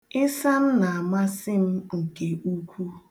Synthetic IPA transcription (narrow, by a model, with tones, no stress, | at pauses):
ɪ˦sa˦m̩˦na˨a˨ma˦sɪ˦m̩˦ŋ̩˨ke˨u˦kʷu˦